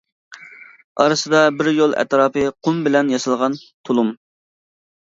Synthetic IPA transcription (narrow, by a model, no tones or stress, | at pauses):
ɑ̰ɾɨsɨd̪ɑbɪɾjolˠɛ̰t̪ɾɑːpɨqʰʊmbɪlɛnjɑsɨlˠʁɑnt̪ʰolˠum